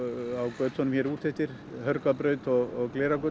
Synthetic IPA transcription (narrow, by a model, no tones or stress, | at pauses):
awkœːt̪sɔnʏmçɛɾu̥ːθʰɛht̪ɪɾ̥ | hœɾkapɾœːɥt̪ɔɣɔɣkleːɾakœ